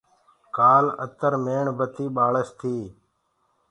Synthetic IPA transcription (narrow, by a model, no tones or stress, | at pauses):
kaːlə̰t̪əɾmeːɳbət̪iːɓaːɭəst̪ʰiː